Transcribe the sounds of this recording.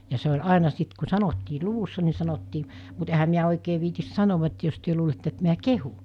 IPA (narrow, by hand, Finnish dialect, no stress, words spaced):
jɑ se ol ɑˑenɑ sit ku sɑnotːiː luʋusːɑ ni sɑnotːiː mut ehæ miæ oikeː ʋiːtis sɑnoʋɑ et jos tyø luːletːe et miæ kehu